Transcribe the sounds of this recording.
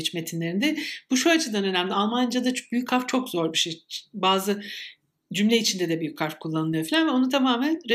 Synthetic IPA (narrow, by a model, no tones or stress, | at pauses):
t͡ʃme̞t̪ʰinlʲe̞ɾind̪ɛb̥uʃuat͡ʃʰɯd̪anø̞næmd̪ʲialˠmand͡ʒad̪abyjyc̚kʰaɾft͡ʃʰo̞kzo̞ɾbiʃejbaːzɯ | d͡ʒymlʲeit͡ʃʰind̪ɛd̪ɛbyjyc̚ʲkʰaɾfkʰulˠːanɯlˠɯjo̞filʲanvɛo̞nut̪ʰamaːmænɾe